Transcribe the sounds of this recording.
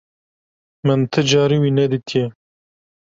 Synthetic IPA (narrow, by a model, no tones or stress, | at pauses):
mɨnt̪ʰɨd͡ʒɑːɾiwinɛd̪ɨk̪ʰe